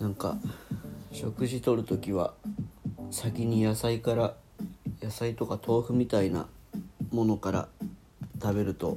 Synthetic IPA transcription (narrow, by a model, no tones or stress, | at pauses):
nãŋka̰ | ɕo̞kɯ̟ʑit̪o̞ɾɯ̟t̪o̞kʲiβa̰ | sakʲiɲ̟ijasaikaɾa | jasait̪o̞kat̪ʰo̞ːɸɯ̟mʲit̪aina̰mo̞no̞kaɾa̰ | t̪abe̞ɾɯ̟t̪o̞̰